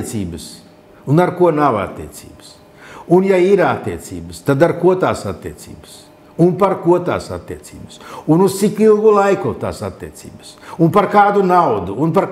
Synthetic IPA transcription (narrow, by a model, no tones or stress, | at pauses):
t̪siːbəs | unaɾkuɔnawa̰t̪ːḭɛt̪sḭːbə̥s | unjaiɾat̪ːiɛt̪sʲḭːbəst̪ad̪aɾkuɔt̪aːsa̰t̪ːiɛt̪sḭːbəs | unpaɾkuɔt̪a̰ːsa̰t̪ːiɛt̪sḭːbəsunuz̥t̪sikilˠɡulˠajkut̪a̰ːsat̪ːiɛt̪sḭːbəsunpaɾkaːd̪unawd̪uːnpaɾ